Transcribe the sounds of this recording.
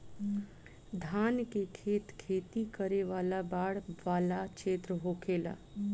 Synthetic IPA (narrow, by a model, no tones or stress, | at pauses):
d̪ʱaːnkekʰeːt̪kʰeːt̪ikəɾeʋaːlabaːɽʋaːlat͡ʃʰeːt̪ɾəɦokʰela̰